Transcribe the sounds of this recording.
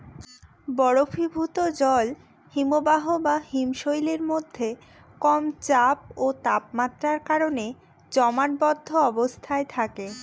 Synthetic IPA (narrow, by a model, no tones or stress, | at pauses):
bɔɽofibʱut̪od͡ʑɔl | himobaɦobahimʃojleɾmod̪ʱːe | kɔmt͡ɕap̚ot̪ap̚mat̪ːɾaɾkaɾone | d͡ʑɔmaʈ̚bɔd̪ʱːoɔbost̪ʰaet̪ʰake